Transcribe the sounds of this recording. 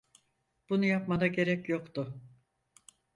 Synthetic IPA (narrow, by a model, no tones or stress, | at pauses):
b̥unujapmad̪aɟe̞ɾɛcjo̞kt̪ʊ